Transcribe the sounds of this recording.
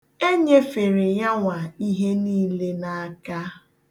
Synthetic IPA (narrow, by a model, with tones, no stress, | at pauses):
e˦ɲe˦fe˨ɾe˨ja˦ŋʷa˨i˦ɦe˦niː˦le˦na˨a˦ka˦